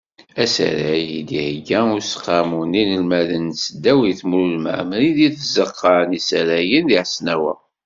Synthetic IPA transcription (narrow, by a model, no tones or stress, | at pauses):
æsæ̰ɾæjid̪ihɡæʊɾsqːɑmuninəlmæðənsəd̪ːæwiθmɾulmə̰ʕməliðiθəzəqːɑnisæɾæjənðiʕsnæwæ̰